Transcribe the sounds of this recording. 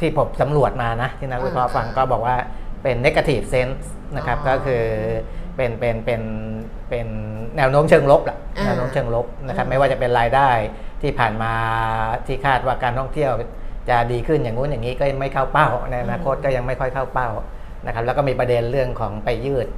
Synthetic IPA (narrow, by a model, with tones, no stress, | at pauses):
t̪ʰiː˥˩pʰo˨˦msa˩˦mɾu˨˩ət̪̚maː˧na˦˥t̪ʰiː˥˩na˦˥k̚luː˧˥˩pʰɔː˧˥fa˧ŋkɔː˥˩bɔː˨˩k̚waː˥˩pe˧nːe˦˥kːa˧t̪ʰiː˨˩p̚se˦˥ns | na˦˥kʰa˦˥p̚kɔː˥˩kʰɯː˧ | pe˧npe˧npe˧n | pe˧nːɛː˧˥wnoː˦˥mt͡ɕʰɤː˧ŋlo˦˥p̚la˨˩ʔnɛː˧˥wnoː˦˥mt͡ɕʰɤː˧ŋlo˦˥p̚na˦˥kʰa˦˥p̚ma˥˩jwaː˥˩t͡ɕa˨˩pe˧nɾaː˧jdaː˥˩jt̪ʰiː˥˩pʰaː˨˩nmaː˧t̪ʰiː˥˩kʰaː˥˩t̪̚waː˥˩kaː˧nt̪ʰɔ˥˩ŋt̪ʰi˥˩əw | t͡ɕa˨˩diː˧kʰɯ˥˩njaː˨˩ŋːuː˦˥njaː˨˩ŋːiː˦˥kɔ˥˩ja˧ŋma˥˩jkʰa˥˩wpa˥˩wna˧jʔa˧naː˧kʰo˦˥t̪̚kɔː˥˩ja˧ŋma˥˩jkʰɔ˥˩jkʰa˥˩wpa˥˩w | na˦˥kʰa˦˥plːkɔː˥˩miː˧pɾa˧de˧nɾɯ˥˩əŋkʰɔː˩˦ŋpa˧jːɯː˥˩t̪̚